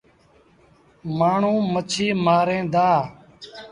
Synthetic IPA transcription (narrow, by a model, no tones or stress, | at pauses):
maːɳ̤ũːmət͡ʃʰiːmaːɾẽːd̪aː